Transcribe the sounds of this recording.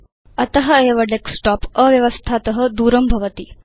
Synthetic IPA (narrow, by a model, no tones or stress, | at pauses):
ɐt̪əɦəeʋəɖeksʈɔpəʋjɐʋəst̪ʰat̪əɦəd̪uːɾəmbʱɐʋət̪iː